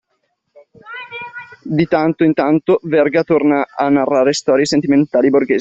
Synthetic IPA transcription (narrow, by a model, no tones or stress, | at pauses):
d̪it̪ant̪oint̪ant̪ovɛrɡat̪ornaanːarːaːɾest̪ɔːɾjesent̪iment̪aːliborɡeːz